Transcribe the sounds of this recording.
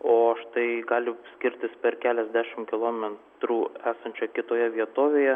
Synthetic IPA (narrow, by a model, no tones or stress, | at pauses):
oːɐʃt̪ɐɪɡɑːlʲɪsʲkʲɪɾʲt̪ʲɪspʲɛɾkʲæːlʲɛzʲd̪ʲæːʃʲɪmkʲɪlˠoːmʲɛt̪ɾuːæːsɐnʲt͡ʃʲʊkʲɪt̪oːjɛʋʲiɛt̪oːʋʲeːjɛ